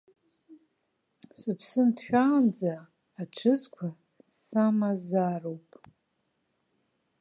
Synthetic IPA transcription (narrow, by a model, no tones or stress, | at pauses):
sɨpʰsɨndħᶣaːnd͡zaː | ʈ͡ʂʰɨzkʷʰa | samazaːrowpʼ